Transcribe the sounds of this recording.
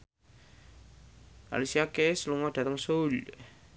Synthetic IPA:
ʔa̰lisiakesluŋɔd̪̥ä̤t̪əŋsol

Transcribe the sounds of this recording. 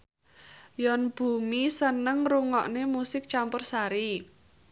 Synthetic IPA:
jɔnb̥ṳmisənəŋruŋɔʔnemusɪk̚t͡ʃampʊrsaɾi

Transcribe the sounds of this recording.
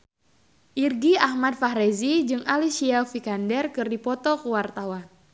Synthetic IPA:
ʔirɡiahmat̪̚fahɾezid͡ʒɨŋʔalisiafikandɛrkɨrdipɔt̪ɔkuwart̪awan

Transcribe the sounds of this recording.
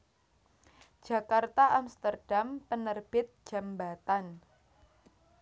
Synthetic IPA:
d͡ʒ̥a̤kart̪aʔamst̪ərd̥ampənərb̥ɪt̪̚ʒ̥a̤mbat̪an

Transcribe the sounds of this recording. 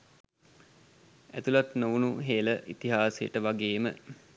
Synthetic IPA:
æt̪ulat̪noʋunuɦeːləʔit̪iɦaːsejə̰ʈəʋaɡeːmə̰

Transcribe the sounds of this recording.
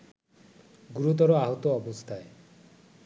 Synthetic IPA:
ɡuɾut̪̬ɔɾoaɦot̪oɔbost̪ʰae

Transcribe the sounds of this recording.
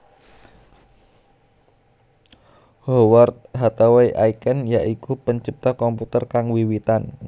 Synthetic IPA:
howart̪̚ɦat̪aweʔaikənjaʔikupəɲt͡ʃip̚t̪ɔhkɔmput̪ərkaŋwiwit̪an

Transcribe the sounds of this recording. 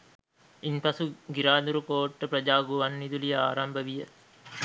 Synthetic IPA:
inpɐsuɡiɾaːd̪uɾukoːʈːəpɾɐd͡ʒaːɡuʋɐnːid̪ulijɐaːɾɐmbəʋijə

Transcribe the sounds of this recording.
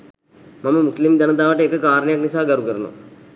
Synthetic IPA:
mɐmɐmuslimd̪ɐnɐd̪aːʋɐʈːeekːəkaːɾɳɐjɐknisaːɡɐɾukəɾɐnṵ

